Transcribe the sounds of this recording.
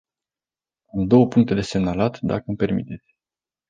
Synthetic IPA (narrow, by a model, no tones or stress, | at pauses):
amd̪o̞wəpuŋkt̪e̞d̪e̞se̞mnalat̪d̪a̰kəɨmpe̞rmḭt̪e̞t̪sʲ